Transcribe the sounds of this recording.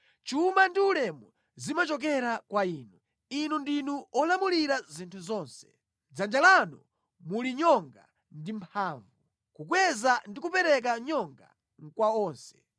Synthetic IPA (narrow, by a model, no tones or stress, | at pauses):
t͡ʃumandiulɛmu | zimat͡ʃɔk̬ɛɾakwaiːnu | inundinuɔlamuliɾazintʰuzɔːnsɛ̥ | d͡zand͡ʒalanu | muliɲɔŋɡa̰ | ndim̩pʰaːɱvu | kukwɛzandikupɛɾɛk̬aɲɔŋɡa̰ | ŋ̩kwaɔːnsɛ̥